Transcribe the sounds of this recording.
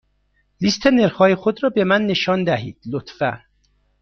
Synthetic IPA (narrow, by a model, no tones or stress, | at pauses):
list̪ʰeneɾxɒːjexod̪ɾɒːbemænːeʃɒːnd̪æɦḭːd̪̥lot̪fæ